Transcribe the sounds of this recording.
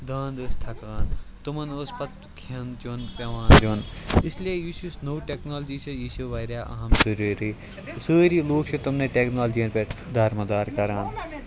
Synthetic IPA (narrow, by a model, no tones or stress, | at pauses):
d̪ãːnd̪əːst̪ʰɐkaːnt̪umɐnoːspɐt̪̚ | kʰɐnt͡ʃonpʲɐʋãːnd͡ʒʲonɪsliejiʃusnoʈeːknaːld͡ʒiːsɐjiːʃuʋɐːɾjaːʔɐ̰ɦɐmzɐɾuːɾiː | səːɾiːloːkt͡ʃʰut̪umneʈeːknaːld͡ʒijɐ̃nped̪ʱɐɾmɐd̪aːɾkɐɾaːn